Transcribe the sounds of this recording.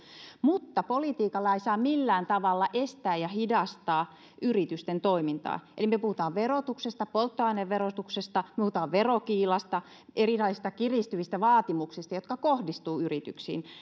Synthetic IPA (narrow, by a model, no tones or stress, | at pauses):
mut̪ːɑpolit̪iːkɑlːɑeisɑːmilːæːnt̪ɑʋɑlːɑʔest̪æːjjɑhidɑst̪ɑː | ʔyrit̪yst̪ent̪oimint̪ɑ̰ːʔelimøpuhut̪ɑːʋʋerot̪uksest̪ɑpolt̪ːoɑineʋʋerot̪uksest̪ɑmĕpuhut̪ɑːʋʋerokiːlɑst̪ɑ | ʔerilɑisist̪ɑkirist̪yʋist̪æʋɑːt̪imuksist̪ɑjot̪kɑkohdist̪uːyrit̪y̰ksḭːn